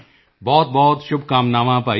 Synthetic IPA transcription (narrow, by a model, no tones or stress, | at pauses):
bɔːt̪̚bɔːt̪ʃʊb̚kaːmnaːʋãpaː